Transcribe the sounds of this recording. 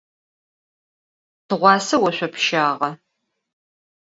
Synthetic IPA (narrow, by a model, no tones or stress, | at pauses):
tʰɨʁʷɑːsɐwɐɕʷɔpʃaːʁɐ